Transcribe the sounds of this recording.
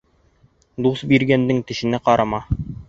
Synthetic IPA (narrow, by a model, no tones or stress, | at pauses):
d̪usbiɾɡænd̪ɘŋt̪ɘ̆ʃɘ̆nɘqɑɾɑmɑ